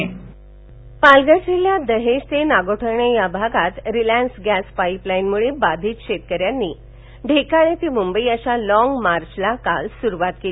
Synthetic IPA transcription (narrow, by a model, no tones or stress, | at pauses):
palɡəseljad̪əɦeɕt̪enaɡoʈʰəɾɳejabʱaɡat̪ɾilænsɡæspaiplainmuɭebad̪ʱiːt̪ɕet̪̚kəɾjanːiː | ɖʱekaɭet̪imumbəiəɕalɔŋɡmaɾt͡ɕlakalsuɾuʋat̪kel